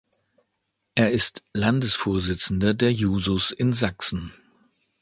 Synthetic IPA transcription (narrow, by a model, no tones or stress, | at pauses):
ʔeːɐɪstlandəsfoːɐzɪt͡sn̩dɐdeːɐjuːzʊsɪnzaksn̩